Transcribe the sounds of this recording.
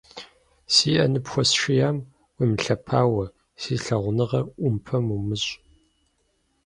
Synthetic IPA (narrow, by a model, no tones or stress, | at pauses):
siːʔɐ̰nɨpxʷɔsʃijaːm | wiːmɬɐpʰaːwɐ | siːɬɐʁʷnɨʁɐʔʷʊmpʰɐmumɨɕʼ